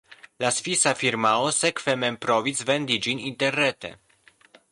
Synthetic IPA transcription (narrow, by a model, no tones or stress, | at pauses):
lasfisafiɾmaosekvemempɾovisvend̪id͡ʒinint̪erːet̪ḛ